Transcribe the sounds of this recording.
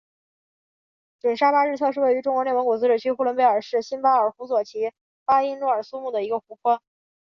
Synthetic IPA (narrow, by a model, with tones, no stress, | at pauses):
ʈ͡ʂwə˨˩nʂa˥pa˥ɻ̩˥˧t͡sʰɤ˥˧ʂɻ̩˥˧we˥˩ɪy˧˥ʈ͡ʂʊ˥ŋkwɔ˧˥n˥˩wŋku˨˩t͡sɹ̩˧˥ʈ͡ʂ̩˨˩t͡ɕʰy˥xu˥˩lwə˥npe˥ɪə˞˨˩ʂɻ̩˥˩ɕi˥npa˥ə˞˨˩xu˧˥swɔ˨˩t͡ɕʰi˧˥ | pa˥i˥nlwɔ˥˩ə˞˨˩su˥mu˥˩d̪ə˩i˧˥ɡə˧xu˧˥kʰwa˥n